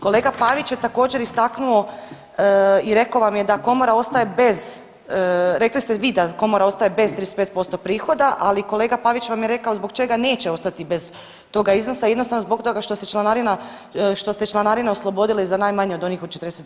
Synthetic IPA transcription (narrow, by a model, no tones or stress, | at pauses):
ko̞leːɡapaʋit͡ɕjet̪ako̞ːd͡ʑe̞ɾist̪aknuo̞ | iɾe̞koʋamjed̪ako̞moɾao̞st̪aje̞be̞z | ɾe̞klist̪eʋiːd̪ako̞moɾao̞st̪ajebe̞zt̪ɾieset̪peːt̪po̞st̪o̞pɾiːxo̞d̪aʔaliko̞le̞ːɡapaʋit͡ɕʋamjeɾe̞kao̞zbo̞ɡt͡ʃe̞ɡane̞ːt͡ɕeo̞st̪at̪ibe̞z | t̪o̞ɡaizno̞saijd̪nosaʋno̞zbo̞k̚t̪o̞ɡaʃt̪oset͡ʃlˠanaɾina | ʃt̪o̞set͡ʃlanaɾinaoslˠo̞bo̞d̪ileizanajmaɲeo̞d̪o̞niːxo̞d̪t͡ʃet̪ɾd̪eset̪